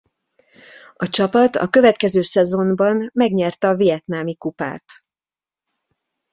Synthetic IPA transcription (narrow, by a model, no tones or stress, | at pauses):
ɒt͡ʃɒpɒt̪ɒ̰køvɛt̪kɛzøːsɛzo̞mbɒnːɛɡɲɛrt̪ɛɒvijɛt̪naːmikupa̰ːt̪